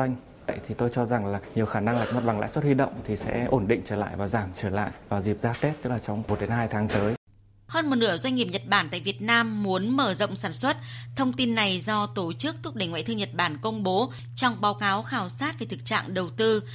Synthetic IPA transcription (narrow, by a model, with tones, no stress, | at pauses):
jŋ̟ | ə̰˧˨jt̪ʰi˨˩t̪o˧jt͡ɕɔ˧za˨˩ŋlaː˨˩ɲi˨˩əwxaː˧˩na˧ŋlaː˨˩k̚mo˨˩t̚ɓa˨˩ŋla̰ː˧˥jswə˦˥t̚hwi˧ɗə̰˧˨wŋ͡mt̪ʰi˨˩sɛ̰˧˥ʔo˧˩nɗḭ̈˧˨ŋ̟t͡ɕəː˧˩la̰ː˧˨jvaː˨˩zaː˧˩mt͡ɕəː˧˩la̰ː˧˨jvaː˨˩wzi˨˩p̚zaː˧˥t̪e˦˥t̚t̪ɨ˦˥k̚laː˨˩t͡ɕɔ˧wŋ͡mmo˨˩t̚ɗe˨˦nhaː˧jt̪ʰaː˨˦ŋt̪əː˨˦j | həː˧nmo˨˩t̚nɨ˧˩əzwa˧jŋ̟ŋi˨˩əp̚ɲə˨˩t̚ɓaː˧˩nt̪a̰ː˧˨jvi˨˩ət̚naː˧mːu˨˦ənməː˧˩zə̰˧˨wŋ͡msaː˧˩nswə˦˥t̚t̪ʰə˧wŋ͡mt̪i˧nːa˨˩jzɔ˧t̪o˨˩t͡ɕɨ˦˥k̚t̪ʰʊ˦˥ɗe˧˩ŋwa̰˧˨t̪ʰɨ˧ŋɲə˨˩t̚ɓaː˧˩nkə˧wŋ͡mɓo˨˦ | t͡ɕɔ˧wŋ͡mɓaː˨˦wkaː˨˦wxaː˧˩wsaː˦˥t̚ve˨˩t̪ʰɨ˨˩k̚t͡ɕa̰ː˧˨ŋɗə˨˩wt̪ɨ˧